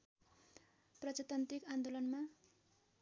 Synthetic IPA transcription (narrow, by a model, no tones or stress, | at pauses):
prʌt͡sat̪ant̪ikand̪olʌnma